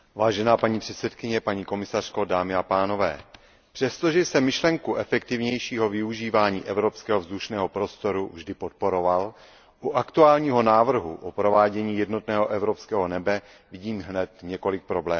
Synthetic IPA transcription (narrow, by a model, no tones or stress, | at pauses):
vaːʒɛnaːpaɲiːpr̥ɛt̪sɛt̪kɪɲɛpaɲiːko̞mɪsar̝̥ko̞daːmɪapaːno̞vɛ̰ː | pr̥ɛst̪o̞ʒɛsɛmɪʃlɛŋkuʔɛfɛkt̪ɪvɲɛjʃiːɦo̞vɪuʒiːvaːɲiːʔɛvɾo̞pskɛːɦo̞vzduʃnɛːɦo̞pɾo̞st̪o̞ɾuvʒdɪpot̪̚po̞ɾo̞val | ʔuʔakt̪uaːlɲiːɦo̞naːvr̩ɦuʔopɾo̞vaːɟɛɲiːjɛdno̞t̪nɛːɦo̞ʔɛvɾo̞pskɛːɦo̞nɛbɛ | vɪɟiːmɦnɛt̪ɲɛko̞lɪk̚pɾo̞blɛː